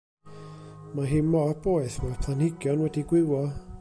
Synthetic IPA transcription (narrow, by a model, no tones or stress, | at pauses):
maɦɪnmɔb̥oɨθmɔpʰlanhɪɡjɔnwɛdiɡwɪwɔ